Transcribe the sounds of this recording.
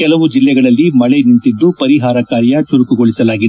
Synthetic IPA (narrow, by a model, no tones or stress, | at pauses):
kɛlɐʋud͡ʒilːɛɡɐɭɐlːimɐɭɛnint̪id̪ːupɐɾiɦaːɾɐkaːɾjɐt͡ʃuɾukuɡoɭisɐlaːɡid̪e